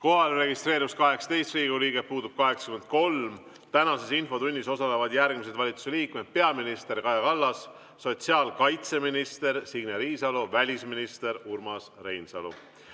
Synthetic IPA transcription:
ko̞ɦɑlre̞ɡist̪reːɾivuskɑɦeksɑ̥t̪e̞jst̪riːɡuliːɡepuːd̪ub̥̚kɑɦe̞ksɑ̥kyme̞nd̪̥̚ko̞lm | t̪ænɑse̞sinfo̞t̪unʲːiso̞sɑle̞vɑd̪jærɡ̥mis̬e̞d̪vɑlʲit̪su̥se̞liːkme̞d̪̥̚pe̞ɑminist̪e̞rkɑjɑkɑlːɑsː | o̞t̪siɑːlkɑjt̪se̞minist̪e̞ɾsiɡneɾiːsɑlovælʲisminist̪e̞ɾurmɑsre̞jnsɑlṵ

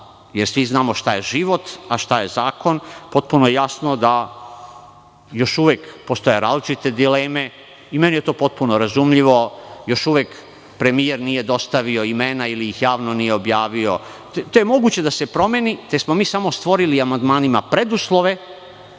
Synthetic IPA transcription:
jeɾsʋiznaːmoʃt̪aje̞ʒiʋo̞t̪aʃt̪aje̞zaːko̞npo̞t̪̚punojejasno̞d̪a | jo̞ʃuʋekpo̞st̪o̞je̞ɾaːzlit͡ʃit̪e̞d̪ileːme̞ | ime̞nije̞t̪o̞ːpo̞t̪̚punoɾazumʎiʋo̞jo̞ʃuʋek | pɾe̞mijeɾnije̞d̪o̞st̪aʋio̞imenailijixjaːʋno̞nijeobjaːʋio̞ | t̪ojemo̞ɡuːt͡ɕe̞d̪ase̞pɾo̞me̞nit̪esmo̞miːsamo̞st̪ʋo̞ɾiliamand̪maːnimapɾe̞d̪uslˠo̞ʋe̞

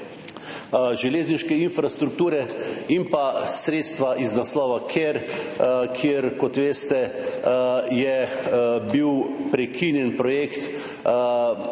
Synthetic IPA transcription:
ʒɛleːzniʃkɛinfɾast̪ɾuk̚t̪uːɾɛimpasɾeːt̪st̪ʋaʔiznaslɔːʋakʰeɾ | kʰjeːɾkɔt̪ʋeːst̪ɛ | jɛ | biwpɾɛkʰinjɛnpɾɔjeːkt̪

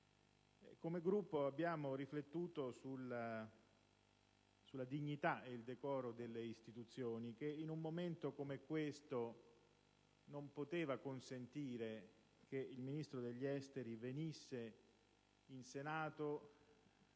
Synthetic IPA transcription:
ɛkːomeɡɾupːoabːjaːmoriflet̪ːuːt̪osula | sulːad̪iɲːit̪aeild̪ekɔːɾod̪elːeist̪it̪ut̪sːjoːnik̟einumːoment̪okomekwest̪o | nompot̪eːvakonsent̪iːɾe | k̟eilminist̪ɾod̪eʎːɛst̪eɾivenisːe | insenaːt̪o

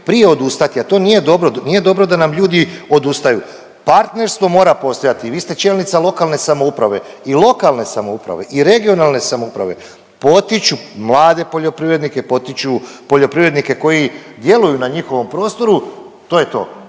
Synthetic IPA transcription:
pɾije̞o̞d̪ust̪at̪iat̪o̞nije̞d̪o̞bɾonije̞d̪o̞bɾo̞d̪anamʎuːd̪io̞d̪ust̪aju | paɾt̪ne̞ɾst̪vʋo̞mo̞ːɾapo̞st̪o̞jat̪iʋiːst̪et͡ʃe̞ːlnit̪salˠo̞kalne̞samoupɾaʋe̞ | ilˠo̞kalne̞samoupɾa̰ʋe̞ʔiɾe̞ɡio̞nalne̞samoupɾa̰ʋe̞̰ | po̞t̪it͡ʃumlˠaːd̪e̞poʎo̞pɾiʋɾe̞d̪nike̞po̞t̪it͡ʃupo̞ʎo̞pɾiʋɾed̪nike̞ko̞jid̪je̞lujunaɲixo̞ʋo̞mpɾo̞ːst̪o̞ɾu | t̪oje̞t̪o̞̰ː

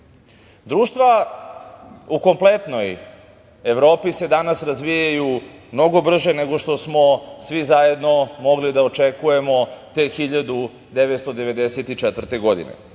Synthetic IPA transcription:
d̪ɾuːʃt̪ʋa | uko̞mple̞t̪no̞j | e̞ʋɾo̞ːpise̞d̪anasɾazʋijajumno̞ɡo̞br̩ʒe̞ne̞ɡo̞ʃt̪o̞smo̞sʋizaje̞d̪no̞mo̞ɡlid̪aot͡ʃekuje̞mo̞t̪exiʎad̪u | d̪eʋet̪st̪od̪e̞ʋe̞d̪eset̪it͡ʃet̪ʋr̩t̪e̞ɡo̞d̪ḭnḛ

